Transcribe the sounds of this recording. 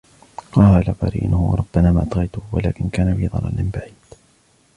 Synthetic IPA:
qɑhaːlaqɑ̰ɾḭːnhʊwɑ̰ɾˤʊbːanaːmaːʔt̪ɣɑjt̪ʊhʊwa̰laːkɪnkaːnabiːðˤɑ̰la̰ːlɪmbaʕiːd̪̥

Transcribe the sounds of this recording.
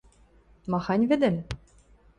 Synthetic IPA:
mɑxɑnʲvɘ̆d̪ɘ̆m

